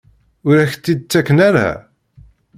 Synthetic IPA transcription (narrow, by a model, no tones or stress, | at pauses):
ʊɾæçt̪ːid̪̚t͡sːækːənæɾa̰